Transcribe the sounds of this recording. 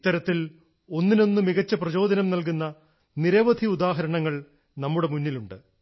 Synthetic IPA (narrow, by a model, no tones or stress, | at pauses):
it̪ːɐɾɐt̪ːil | o̞nːino̞nːumiɣɐt͡ɕːɐprɐt͡ɕo̞ːd̪ɐnɐmnɐlk̬unːɐ | niɾɐʋɐd̪ʱiud̪aːɦɐɾɐɳɐŋːɐɭ | nɐmːuɽe̞munːiluɳɖɨ